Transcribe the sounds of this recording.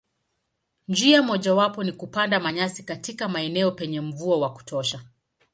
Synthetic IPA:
nd͡ʒiamɔʄawapɔnikupandamaɲasikatikamaɛnɛɔpɛɲɛm̩vuawaku̥tʰɔʃa

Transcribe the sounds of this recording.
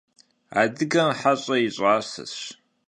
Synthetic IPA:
a̰ːdɨɡɐmħaɕʼɐjiɕʼaːsɨ̰ɕ

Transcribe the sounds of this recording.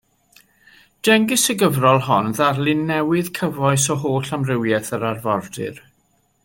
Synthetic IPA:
d̥ɛŋɡɪsəɡəvrɔlˠɦɔnðarlˠɪnːɛwɨð̥kʰəvɔɨsɔɦoːɬamrɪwjɛθəɾarvɔrdɨ̰r

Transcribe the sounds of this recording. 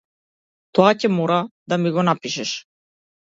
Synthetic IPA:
t̪ɔacɛmɔɾad̪amiɡɔnapiʃɛʃ

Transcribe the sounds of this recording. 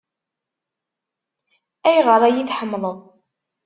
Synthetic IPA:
æjɾɑðˤæjiθħəmːləðˤ

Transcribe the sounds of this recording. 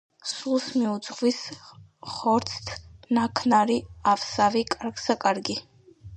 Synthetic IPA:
sulˠsmiud̪zʼʁʼvis | χɔɾt̪sʰt̪ʰnakʰnaɾiafsavikʼaɾɡsakʼaɾɡi

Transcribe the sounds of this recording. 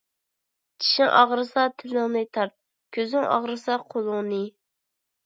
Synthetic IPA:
t͡ʃʰi̥ʃɪŋʔɑʁɾɨsɑt̪ʰɪlːɪŋnɨt̪ʰɑɾt̪̚ | kʲʰøzɪŋʔɑ̰ʁɾɨsɑqʰolˠʊŋnɨ

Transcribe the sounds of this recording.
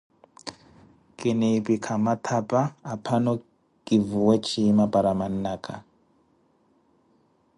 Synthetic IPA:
kʼinipikʰamat̪ʰapʼaːpʰanɔ | kʼivuwet͡ʃʰimapʼaɾamanakʼa̰

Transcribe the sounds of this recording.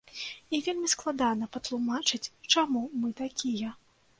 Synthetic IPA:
ivʲelʲmʲisklˠad̪anɐpɐt̪lˠumat͡ʂɨt͡sʲt͡ʂamumɨt̪akʲijɐ

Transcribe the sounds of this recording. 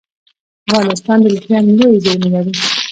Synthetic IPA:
afɣɑnɪst̪ɑnd̪əlixjɑnlojzəɾmejɑwi

